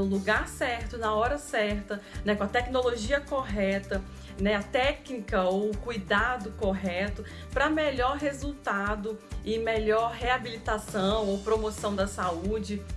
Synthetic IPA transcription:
ũluɡaɾsɛɾt̪ʊnɐɔɾɐsɛɾt̪ɐnɛkõɐt̪ɛknoloʒiɐkoɦɛt̪ɐ | nɛat̪ɛknikɐowkujd̪ad̪ʊkoɦɛt̪ʊ | pɾɐmeʎɔɾɦezuwt̪ad̪ʊɪmeʎɔɾɦeabilit̪asɐ̃w̃owpɾomosɐ̃w̃d̪ɐsaud͡ʒɪ

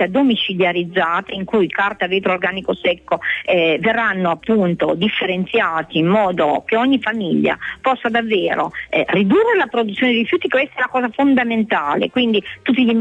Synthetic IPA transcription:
ad̪omit͡ʃiljaɾid̪zːaːt̪aiŋkujkart̪aviːt̪ɾoːrɡaːnikosɛkːoɛverːanːoapːunt̪od̪ifːeɾent̪sjaːt̪iːmːɔːd̪okeɔɲːifamiʎːa̰pɔsːad̪avːeːɾo̰ɛrid̪urːelapɾod̪ut̪sjoːned̪eiɾifjuːt̪ikwest̪aɛlakɔːzafond̪ament̪aːlḛkwind̪it̪ut̪ːiʎi

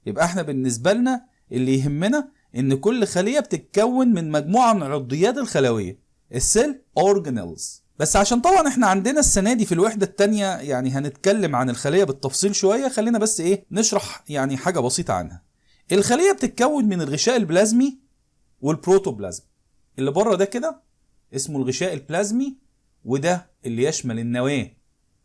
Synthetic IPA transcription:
jebʔæʔeħnæbenːes̬bælnæ | ʔelːijɦemːenæ | ʔenːkolːxælejːæbet̪et̪̚kæwːenmenmæɡmuːʕanʕod̪ˤːejːæːt̪elxælæwḛjːæ̰ | ʔesːelʔoɾɡenæ̰lz̥ | b̥æsːʕaʃæːnt̪ˤɑbʕɑnʔeħnæʕand̪enæsːænæːd̪ifilweħd̪æt̪ːænjæjaʕniɦænet̪kælːemʕanelxælejːæbet̪ːɑfsˤiːlʃowæjːæxælːiːnæbæsːʔeːneʃɾˤɑħjaʕniħaːɡæbɑsˤiːt̪ˤɑ̰ʕa̰nhæ | ʔelxælejːæb̚t̪et̪̚kæwːenmenelɣeʃæːʔelblæzmi | welpɾoːt̪oblæ̰zmi | ʔelːibɑrˤːɑd̪æked̪æ | ʔesmolɣeʃæːʔelblæzmi | wed̪æ | ʔelːijæʃmælenːæwæː

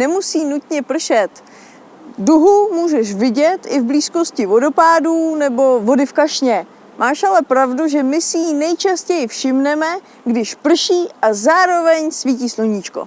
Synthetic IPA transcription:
nɛmusiːnut̪ɲɛpr̩ʃɛt̪ | duɦumuːʒɛʃvɪɟɛt̪ʔɪvbliːsko̞scɪvo̞do̞paːduːnɛbo̞vo̞dɪfkaʃɲɛ | mʔaːʃalɛpɾavduʒɛmɪsɪjinɛjt͡ʃascɛjɪfʃɪmnɛmɛ | ɡdɪʃpr̩ʃiːʔazaːɾo̞vɛɲsviːciːsloɲiːt͡ʃko̞̰

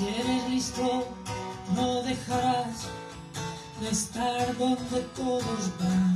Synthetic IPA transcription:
eɾezlist̪o | noðe̞xaɾas | ðe̞st̪aɾðo̞nd̪et̪oðo̞zβan

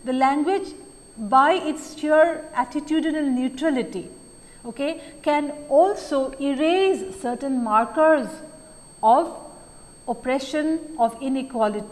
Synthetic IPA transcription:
d̪əlæ̃ŋɡwɪd͡ʒ | baɪʔɪʈst͡ʃuəɾæʈɪʈjuːɖɪnəlnjuːʈɾælɪʈi | oːkekɛ̃nɔːlsoːɪɾeːzsəɾʈə̃nmaːɾkəɾz | ɔʋ | opɾɛʃə̃nɔʋɪ̃nikwɔlɪʈi

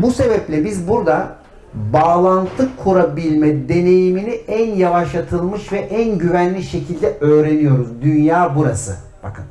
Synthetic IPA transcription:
buse̞bɛplʲɛbizbuɾd̪a | baːlˠant̪ʰɯkʰːuɾabilʲmɛd̪e̞ne̞jiminiænjavaʃlˠat̪ʰɯlˠmɯʃvɛʔænɟyvænlːʲiʃe̞cʰilʲd̪ɛøːɾe̞nijo̞ɾuzd̪ynjaːbuɾasɯ̰ | b̥akʰɯn

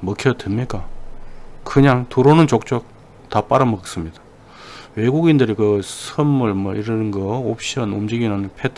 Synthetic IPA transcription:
mɯkʰjʌtenɲik͈a | kɯɲaŋtuɾonɯnt͡ɕok̚t͡ɕ͈ok̚ | tap͈aɾʌmʌɡk̚s͈ɯmɲidḁ | we̞ɡuɡindɯɾikɯsʰɯmːɯɭmʌʔiɾɯnnɡʌop̚ʰɕ͈ʌnumd͡ʑiɡinanpʰetʰ

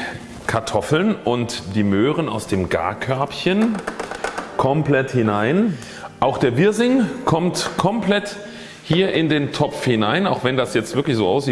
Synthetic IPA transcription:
kʰaɐtʰɔfl̩nʔʊntd̥iːmøːʁənaʊsd̥eːmɡa̰ːɐkʰœɐpçən | kʰɔmpl̥ɛthɪnaɪn | ʔaʊxd̥eːɐbɪɐzɪŋkʰɔmtkʰɔmpl̥ɛt | hiːɐʔɪndeːntʰɔpp͡fhɪnaɪnaʊxv̥ɛndasjɛt͡stvɪɐklɪçz̥oːʔaʊsz̥iːt

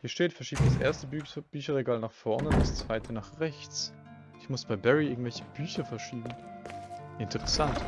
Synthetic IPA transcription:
hiːɐʃteːtfɛɐʃiːpdasʔḛːɐstəbyb̥yːçɐʁeɡaːlnaːχfɔɐnəʊntdast͡sv̥aɪtʰənaːχʁɛçt͡s | ʔɪçmʊsb̥aɪbɛʁiɪɐɡŋ̩tvɛlçə̥b̥yːçɐfɛɐʃiːbm̩ | ʔɪntʰəʁɛsant

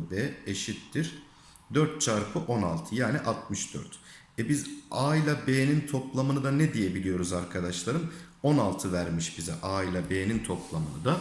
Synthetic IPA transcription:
bɛːeʃit̪ːiɾ | d̪øɾt̪̚t͡ʃʰaɾpʰɯʔo̞na̰lˠt̪ʰɯjaːniʔat̪̚mɯʃd̪ø̰ɾt̪ | ɛbizaːilʲabeːnint̪ʰo̞plˠamɯnɯd̪anɛd̪ije̞bilʲijo̞ɾuzaɾkʰad̪aʃlˠaɾɯm | o̞nalˠt̪ʰɯvæɾmiʃbizɛ̰ʔaːilʲˠabeːnint̪ʰo̞plˠamɯnɯd̪a

